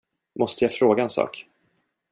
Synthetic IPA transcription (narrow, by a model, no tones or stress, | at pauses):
mɔst̪əjafɾoːɡaɛnsɑ̰ːk